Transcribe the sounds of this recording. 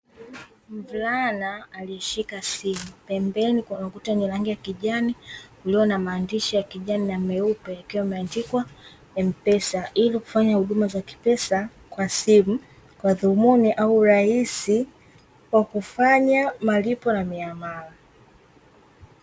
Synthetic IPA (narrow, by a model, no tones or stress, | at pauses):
m̩vlanaːliɛʃikasimupɛmbɛnikanakutanilaŋɡijakiʄanikuliɔnamaːndiʃijakiʄaninamɛupɛjakiwaimɛandikwa | ɛm̩pɛsaʔiliku̥faɲahuɗumazaki̥pɛsa | kwasimu | kwaðumuniʔauɾaisi | kwakufaɲamalipɔnamiamala